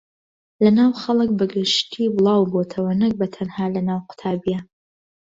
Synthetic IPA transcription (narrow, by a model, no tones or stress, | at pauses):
lɐnaːwxɐlˠɨkbɨɡɨʃt̪ʰiːbɨlˠɑːwbot̪ʰɐwɐnɐk̚bɐt̪ʰɐnhaːlɐnaːwqʊ̥t̪ʰaːbijɛ